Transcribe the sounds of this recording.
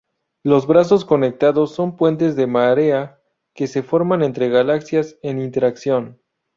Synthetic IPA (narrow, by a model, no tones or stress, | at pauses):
lo̞zβɾas̬o̞sko̞ne̞k̚t̪aðo̞sːo̞mpwe̞nt̪e̞zðe̞maɾe̞a | ke̞se̞fo̞ɾmane̞nt̪ɾe̞ɣalaksjase̞nint̪e̞ɾaksjo̞n